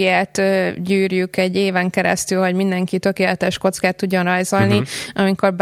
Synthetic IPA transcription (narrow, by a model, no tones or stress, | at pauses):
ijaːt̪øːɟyːrjykɛɟːeːvɛŋkɛɾɛ̰st̪ylɦo̞ɟmind̪ɛŋkit̪ø̞keːlɛt̪ɛʃko̞t̪skaːt̪ːuɟːonrɒjzo̞lniʔɒmiko̞rb